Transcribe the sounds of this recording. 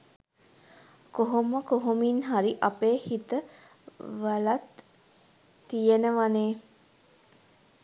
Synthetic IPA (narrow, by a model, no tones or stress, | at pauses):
koɦoməkoɦominɦaɾiʔapeːhit̪ə | ʋalat̪ | ijenəʋaneː